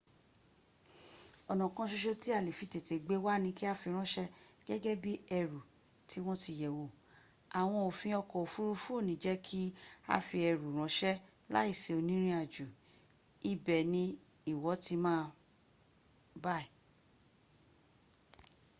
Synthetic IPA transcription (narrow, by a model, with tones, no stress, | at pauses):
ɔ˨nɔ̃˨kɔ̃˧˦ʃo˧ʃo˧ti˦a˦˨le˨fi˨˧te˨te˨ɡ͡be˨˦wa˦˨nĩ˧ki˦a˧fi˧ɾ̃ɔ̃˦ʃɛ˦ɡ̥ɛ˦ɡɛ˦bi˦ɛ˧ɾu˨ | ti˨˦w̃ɔ̃˦ti˧jɛ˨wo˨ | a˨w̃ɔ̃˧o˨fĩ˧ɔ˧kɔ˨o˨fu˦ɾu˦fũ˦o˦˨nĩ˨˦d͡ʒɛ˦kʰi˦a̰˧fi˧ɛ˧ɾu˨ɾ̃ɔ̃˨˦ʃɛ˦ | la̰˦i˦˨se˨o˧nĩ˦ɾ̃ĩ˧˦a˧˨d͡ʒu˨ | i˧bɛ˨nĩ˧ | i˦˨wɔ˨˦ti˧mãː˦˧ | ba˦i˨